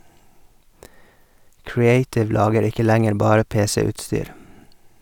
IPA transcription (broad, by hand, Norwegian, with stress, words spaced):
kɹɪˈeɪtɪʋ ˈlɑːɡəɾ ˈɪkə ˈlæŋəɾ ˈbɑːɾə ˈpeːsəʉːtˌstyːɾ